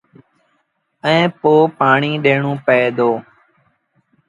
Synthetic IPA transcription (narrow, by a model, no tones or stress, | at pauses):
ɛ̃ːpoːpaːɳiːɗeːɳũːpəeːd̪oː